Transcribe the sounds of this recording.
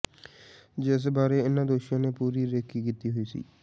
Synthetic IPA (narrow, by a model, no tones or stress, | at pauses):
d͡ʒɪs̬baːɾeːɪnãːd̪oːʃõːneːpuːɾiːɾeːkiːkiːt̪iːɦoiːsḭː